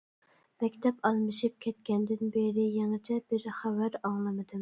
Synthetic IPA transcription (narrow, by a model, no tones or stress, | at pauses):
mɛkʲt̪ʰɛpɑlˠmɨʃip̚kʲʰɛt̪kʲɛnd̪ɪnbeɾɪjeŋɨt͡ʃʰɛb̥ɪɾχævæɾɑŋlˠɨmɨd̪ɨm